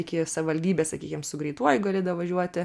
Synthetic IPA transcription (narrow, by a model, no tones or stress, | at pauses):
ɪkʲɪsɐʋɪʋɐlʲd̪ʲiːbʲeːsɐkʲiːkʲɪmsʊɡɾʲɛɪt̪uɔjɡɐlʲeːd̪ɐʋʋɐʒʲuɔt̪ʲɪ